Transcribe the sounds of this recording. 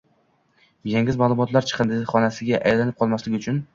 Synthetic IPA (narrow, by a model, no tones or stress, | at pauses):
jeŋɪzmalˠʊmɒt̪laɾt͡ʃʰɨ̥qʰɨnd̪ɪχɒnasɪɡʲaʔajlanɪp̚qʰɒlˠmaslɪɡʲɪʊt͡ʃʰʊn